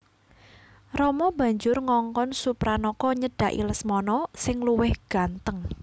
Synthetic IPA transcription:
rɔmɔb̥ä̤ɲd͡ʒʊrŋɔŋkɔnsupɾanɔkɔɲəɖ̥a̤ʔḭləsmɔnɔsɪŋluwɪhɡ̥a̤nt̪əŋ

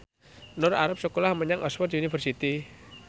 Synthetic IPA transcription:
nʊra̰ɾap̚səkolahməɲaŋʔɔswɔt̪unifərsit̪i

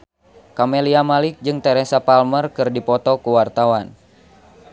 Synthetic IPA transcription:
kamɛliamalik̚d͡ʒɨŋt̪ɛɾɛsapalmərkɨrdipɔt̪ɔkuwart̪awan

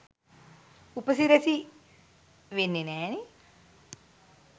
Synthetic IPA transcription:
upəsiɾesi | ʋenːenɛːni

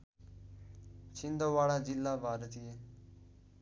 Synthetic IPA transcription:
t͡ʃʰɪnd̪oːʋaːɽaːd͡ʒɪlːaːbʱaːɾt̪iːeː

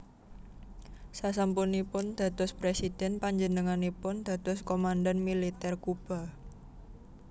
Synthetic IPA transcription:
sasampunipʊnd̪̥a̤t̪ʊspɾesid̥ɛnpaɲd͡ʒənəŋanipʊnd̪̥ä̤t̪ʊskomandanmilit̪ɛrkub̥a̤

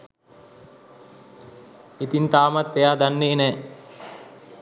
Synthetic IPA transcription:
it̪int̪aːmat̪ːejaːd̪anːeːnɛː

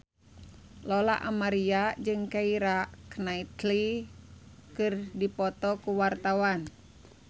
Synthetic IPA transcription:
lɔla̰ʔa̰maɾiad͡ʒɨŋkaiɾaknait̪li | kɨrdipɔt̪ɔkuwart̪awan

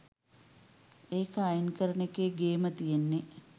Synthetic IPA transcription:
eːkajinkəɾənekeːɡeːmət̪ijenːe

